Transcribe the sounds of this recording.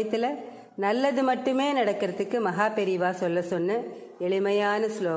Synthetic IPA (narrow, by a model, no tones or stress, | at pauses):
ɐt̪ːɪlɐ | nɐlːɐðɯmɐʈːɯmeːnɐɽɐkːɪɾɐðɯkːɯmɐɦaːpɛɾɪʋaːsɔlːɐsɔnːɐ | ɛɭɪmɐjaːnɐsloː